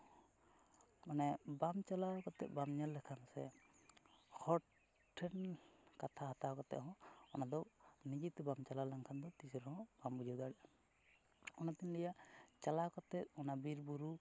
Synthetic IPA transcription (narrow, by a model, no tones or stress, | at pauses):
manɛbamt͡ʃalakɔt̪ɛ̰ʔ̚bamɲalːɛkʰansɛ̰ | hʰɔ | ʈʰːɛnkat̪ʰaɦat̪akɔt̪ɛ̰ʔɦɔ̃ɔnad̪ɔnid͡ʒit̪bamt͡ʃalalaŋkʰand̪ɔt̪isɔɾɔhɔ̃bambud͡ʒɔɡ̪aɖɛʔa | ɔnat̪inlɛjaʔt͡ʃalakɔt̪ɛt̪̚ɔnabiɾbuɾu